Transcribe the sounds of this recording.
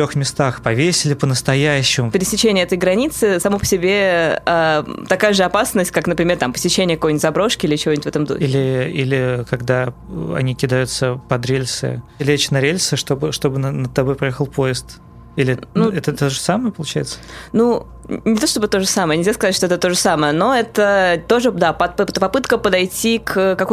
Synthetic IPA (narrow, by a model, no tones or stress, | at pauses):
t̪ɾʲoxmʲɪst̪axpɐvʲesʲɪlʲɪpənəst̪ɐjæɕːɪmʊpʲɪɾʲɪsʲɪt͡ɕːenʲɪəɛt̪əɪjɡɾɐnʲit̪sɨsɐmopə̥sʲɪbʲeat̪ɐkajəʐɨɐpasnəsʲt̚ʲkaknəpɾʲɪmʲert̪ampə̥sʲɪt͡ɕːenʲɪjəkɐkojnʲɪt̪ʲzɐbɾo̞ʂkʲɪilʲɪt͡ɕɪvonʲnt̪ʲvɛt̪əmd̪o̰ilʲɪilʲɪkɐɡd̪aɐ̰nʲikʲɪd̪ajʊt̪səpɐd̪ɾʲelʲsɨ̰lʲet͡ɕɪnɐɾʲelʲsɨʂt̪o̞bɨʂt̪o̞bɨnənət̪ːɐbojpɾɐjexəlˠpo̞ɪst̪ | ilʲɪnuɛt̪ət̪oʐəsaməjəpəlˠʊt͡ɕæjɪt̪sə̥nu | nʲɪt̪oʂt̪obɨt̪o̞ʐəsaməjənʲɪlʲzʲaskɐzatʲʂt̪oɛt̪ət̪o̞ʐəsaməjəno̞ɛt̪ət̪o̞ʐɨd̪apɐpt̪pɐpɨt̪kəpəd̪ɐjtʲikʰəkɐk